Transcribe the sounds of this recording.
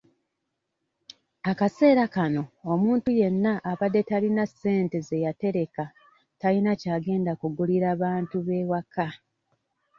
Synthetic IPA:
akase̞ːɾakano̞omuːntuje̞nːaʔːβadːe̞talinase̞ːnte̞ze̞jate̞ɾe̞ka | talinacaːɡe̞ːndakuɡuliɾaβaːntuβe̞ːwaka

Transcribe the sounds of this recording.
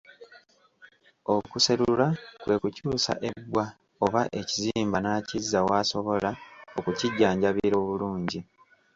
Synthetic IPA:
o̞kuse̞ɾuulakwe̞kucuːsa̰ʔe̞bwa | o̞βaʔe̞ciziːmbanaːcizːawaːso̞βo̞laokuciɟːaːɲɟaβiiɾo̞ːβuluːɲɟi

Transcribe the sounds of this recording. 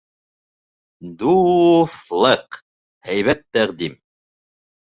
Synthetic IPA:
d̪uflˠəq | hæjβæt̪ːæʁd̪im

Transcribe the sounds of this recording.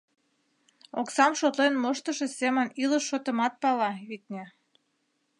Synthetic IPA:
oksɑmʃot̪lenmoʃt̪əʃeseməniləʃːot̪ə̆mɑt̪̚pɑlɑβit̪̚ʲnʲe

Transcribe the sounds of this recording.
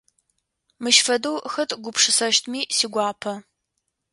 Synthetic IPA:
mɨʃfɐdɐwxɐtʰɡʷʊpʂɨsɐʃtʰmiːsiːɡʷɑːpʰɐ

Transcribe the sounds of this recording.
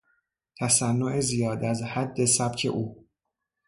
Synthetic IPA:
t̪ʰæsænːo̞ʔezijɒːd̪æzhæd̪ːe̞sæb̥cʰe̞̰ʔuː

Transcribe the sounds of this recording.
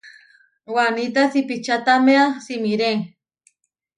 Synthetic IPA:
wanit̪asipit͡ʃat̪ameasimiɾeŋ

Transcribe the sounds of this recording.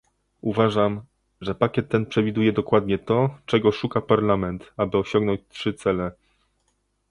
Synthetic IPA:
uvaʐam | ʐɛpakʲɛt̪ːɛnpʂɛvʲid̪ujɛd̪ɔkwad̪ɲɛt̪ɔt͡ʂɛɡɔʂukapaɾlamɛnt̪abɘɔɕɔŋɡnɔɲt͡ɕtʂɘt̪sɛlɛ

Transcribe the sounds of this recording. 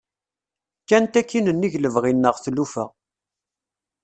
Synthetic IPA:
kːænt̪ækːinənːiʝləvʁinːəʁθlufə̰ʁ

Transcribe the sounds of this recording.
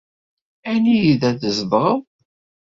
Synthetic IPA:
ænijiðæðəzbʁəð

